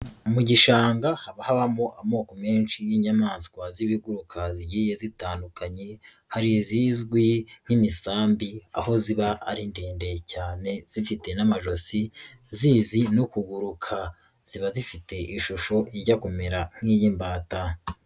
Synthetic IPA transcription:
umuɟiʃaːŋɡahaβahaβamoʔamo̞ːkomeːnʃijiɲamaːskwaziβiɡuɾukʰaziɟije̞zitaːndukaɲe̞ | haɾiziːzɡwiŋ̥imisaːmbia̰ho̞ziβaʔa̰ɾindeːnde̞caːne̞z̥ifite̞namaʒo̞si | ziːzinukuɡuɾukʰa | z̥iβazifite̞ʔiʃuʃo̞ʔiɾɟakome̞ɾaŋ̥ijiːmbaːta

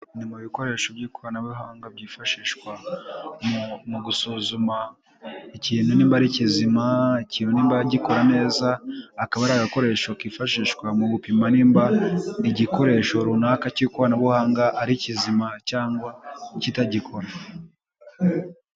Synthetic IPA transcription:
nimuβiko̞ɾe̞ːʃobɟiːkoβanaβuɦaːŋɡabɟiːfaʃiːʃkwammuɡusuzuma | iciːn̥huniːmbaɾicizimaiciːnhuniːmbaaɟiko̞ɾane̞ːzaːkaβaɾaɡako̞ɾe̞ʃo̞kiːfaʃiːʃkwamuβupimaniːmbaiɟikoɾe̞ʃo̞ɾunakaciikuβanaβuhaːŋɡaʔaɾicizimacaːŋɡwacitaɟikʰo̞ɾa

